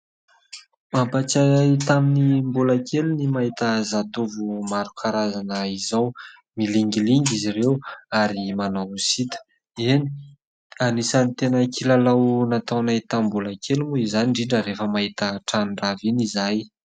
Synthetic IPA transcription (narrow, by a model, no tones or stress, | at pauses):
mampat͡sat̪aminimbulakelinimaɦit̪əzat̪ovumaɾukʰaɾazanəizaw | miliŋɡiliŋɡizirewaɾimanawusit̪ə̥ | eni̥ | anisanit̪enəkilalawnat̪awnait̪ambulakʰelimuizaniɳɖ͡ʐiɳɖ͡ʐəɾefəmaɦit̪əʈ͡ʂanɳɖ͡ʐavinizaj